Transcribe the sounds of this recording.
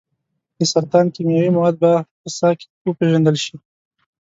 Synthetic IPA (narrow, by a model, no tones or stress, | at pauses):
d̪əsaɾt̪ɑnkimjawimawɑd̪̚bapəsɑkwəpeʒand̪əlʃi